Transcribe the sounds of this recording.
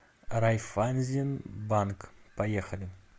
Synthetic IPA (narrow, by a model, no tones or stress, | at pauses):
ɾajfanʲzʲinbankpajexəlʲɪ